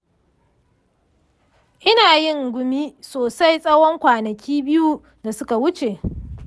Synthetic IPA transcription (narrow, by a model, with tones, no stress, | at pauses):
ʔɪ˦naː˨jɪ˦˨ŋɡʷʊ˨miː˦soː˨sa˦jsʼɐ˦wɔ˦ŋkʷaː˨nɐ˨kʲiː˦bɪ˦ju˦ | da˨sʊ˦ka˨wʊ˦t͡ʃe˨ʔ